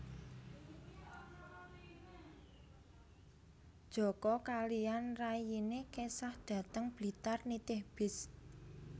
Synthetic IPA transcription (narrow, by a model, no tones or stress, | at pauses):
d̥ʒ̥ɔ̤kɔkalianrajinekesahd̪̥ä̤t̪əŋb̥li̤t̪arnit̪ɪhb̥ɪs